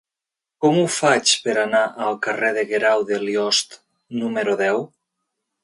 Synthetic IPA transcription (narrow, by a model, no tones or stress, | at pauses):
kɔmufat͡ʃpeɾanaʔəlˠkareðeɣeɾawðeljɔst̪ | numeɾoðɛw